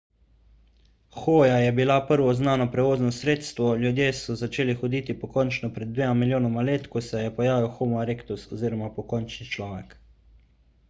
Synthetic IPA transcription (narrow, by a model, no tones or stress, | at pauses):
xoːjajɛbilapəɾʋɔznaːnɔpɾɛʋoːznɔsɾeːt̪st̪ʋɔljud̪jeːsɔzat͡ʃeːlixɔd̪it̪ipɔkɔnt͡ʃnɔpɾɛd̪̚d̪ʋeːmamiljoːnɔmaleːt̪kɔsɛjɛpɔjaːʋiwxomɔɾeːkt̪usɔziːɾɔmapɔkɔnt͡ʃnit͡ʃlɔːʋɛk